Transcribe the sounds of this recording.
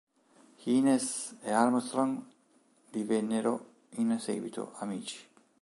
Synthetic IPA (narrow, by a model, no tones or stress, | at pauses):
hiːnesealmst̪ɾoŋ | d̪ivenːeɾo | insḛːɡwḭt̪ʰo̰ʔamiːt͡ʃi̥